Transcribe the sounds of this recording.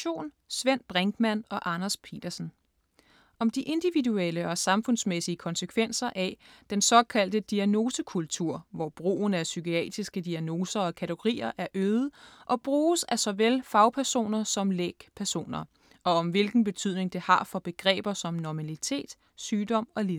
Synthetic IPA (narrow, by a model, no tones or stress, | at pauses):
o̝̰ːn | sʋen̰b̥ʁɛŋɡ̥mænɒ̽ʔɑ̈nɐspʰe̝̰ːd̥ɐsn̩ | ɒ̽md̥iʔe̝nd̥iʋidueləɒ̽sɑ̈mfɔ̽nsmesiəkʰɒ̽nsəkʰʋen̰sɐʔæd̥ensɒ̽kʰæl̰d̥əd̥iæno̝ːsəkʰult͡sʰuɐ̰ʋɒb̥ʁo̝̰ːnæsykiɛ̰ːd̥ʁisɡ̥əd̥iæno̝ːsɐɒ̽kʰæt͡sʰeɡ̥o̝ʁḭːɐʔæɐʔøːðˠəʔɒ̽b̥ʁuːsæsɒ̽ʋelfɑ̈ʊpʰæɐso̝̰ːnɐsɒ̽mleɡ̥pʰæɐso̝̰ːnɐ | ʔɒ̽ɒ̽mʋe̝lɡ̥n̩b̥e̝t͡sʰyð̰ˠne̝ŋd̥e̝hɑ̈fɒ̽b̥e̝ɡ̥ʁɛ̰ːb̥ɐsɒ̽mnɒmælit͡sʰe̝̰ːd̥ | syːd̥ɒ̽m̰ɒ̽le